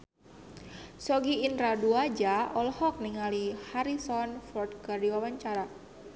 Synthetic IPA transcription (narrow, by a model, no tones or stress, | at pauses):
sɔɡiːnɾaduad͡ʒaɔlhɔk̚niŋalihaɾisɔnfɔrt̪̚kərdiwawaɲt͡ʃaɾa